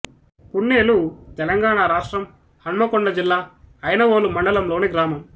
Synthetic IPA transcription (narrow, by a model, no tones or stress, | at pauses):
puɳːeːlut̪ɛlɐŋɡaːɳaɾaːʂʈɾɐm | hɐɳmɐkɔɳɖɐd͡ʒilːaːɐjnɐʋoːlumɐɳɖɐlɐmlo̞ːniɡɾaːmɐm